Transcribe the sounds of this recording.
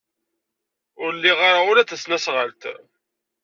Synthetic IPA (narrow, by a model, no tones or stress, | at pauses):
ʊɾlːiʁaɾaʊɾæθæsnæsʁəlt̪